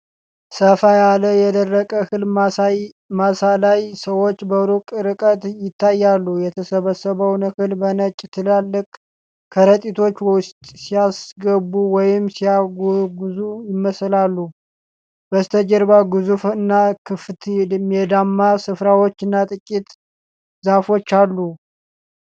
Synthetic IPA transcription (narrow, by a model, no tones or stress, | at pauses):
səfajaləjɛd̪ərːəkʼəhɨl | masalajsəwo̞t͡ʃːbəɾukʼɾɨkʼət̪jɪt̪ʰːajːalːujɛt̪ʰəsəβəsəβəwnəhɨlbənət͡ʃʼːt̪ʰɨlalːɨkʼ | kʰəɾət̪ʼit̪ʰo̞t͡ʃːwwʊst̪ʼsijasɡəbuwɔjɪmsijaɡuɡuzujɪmːəslalːu | bəst̪ʰəd͡ʒəɾbaɡɨzufɨnːakʰɨft̪ʰmɛd̪amːasɨfɾawo̞t͡ʃːɨnːat̪ʼɨkʼːit̪ | zafo̞t͡ʃːalːu